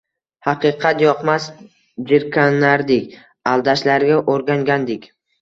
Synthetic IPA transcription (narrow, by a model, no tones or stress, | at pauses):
hɑqʰɨqʰɑt̪jɒqmas | d͡ʒɪɾkʰʲanːaɾd̪ɪkʲ | alˠd̪aʃlaɾɡʲaʔoɾɡʲaŋɡʲand̪ɪkʲ